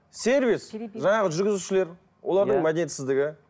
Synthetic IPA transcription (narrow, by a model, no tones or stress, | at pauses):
sʲe̞ɾvisʒɑɴɑʁəʒʏɾɡʲɪzuʃɪle̞ɾ | wʔo̞lˠɑɾd̪əɴmad̪enet̪sɪzd̪ɪɡʲɪ